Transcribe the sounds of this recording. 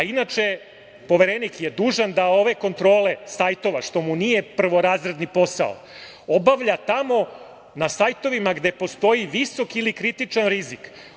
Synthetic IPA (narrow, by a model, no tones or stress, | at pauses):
ainat͡ʃe̞ | po̞ʋe̞ɾenikje̞d̪uːʒand̪ao̞ʋe̞ko̞nt̪ɾo̞ːle̞sajt̪o̞ʋaʃt̪o̞munije̞pr̩ʋo̞ɾaːzɾed̪nipo̞sa̰o̰ | obaʋʎat̪amo̞ | nasajt̪o̞ʋimaɡd̪e̞po̞st̪o̞iʋiso̞kilikɾit̪it͡ʃanɾizik